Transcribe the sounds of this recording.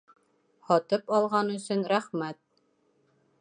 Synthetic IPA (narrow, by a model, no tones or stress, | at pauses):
hɒt̪ɤpɑlˠʁɑnɵ̆sɵnɾæχmæt̪̚